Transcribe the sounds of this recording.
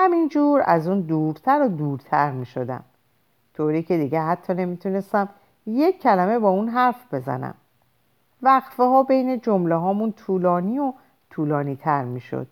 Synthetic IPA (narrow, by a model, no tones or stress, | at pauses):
hæmind͡ʒuːɾæ̰zuːnd̪uːɾt̪ʰæɾod̪uːɾt̪ʰæɾmiːʃod̪æ̰m | t̪ʰoːɾiːcʰe̞d̪iːɟeɦæt̪ʰːɒːne̞miːt̪ʰune̞st̪æm | je̞kʰːælæme̞bɒːunɦæɾfb̥e̞zæ̰næ̰m | væɣfeɦɒːbejne̞d͡ʒo̞mleɦɒːmunt̪ʰuːlɒːniːo | t̪ʰuːlɒːniːt̪ʰæɾmiːʃo̰d̪̥